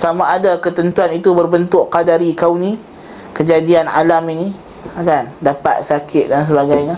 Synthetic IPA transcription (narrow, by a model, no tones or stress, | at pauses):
samaʔːdakət̪ənt̪uanit̪ubərbənt̪ʊʔkadaɾikawni | kəd͡ʒadiana̰lamini | akandapa̰t̪̚sakʰɪt̪̚dans̬əbaɡajɲa